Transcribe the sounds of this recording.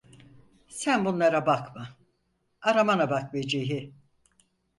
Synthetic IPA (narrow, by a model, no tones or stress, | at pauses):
sænbunlˠaɾabakma | aɾamanabak̚med͡ʒeɦi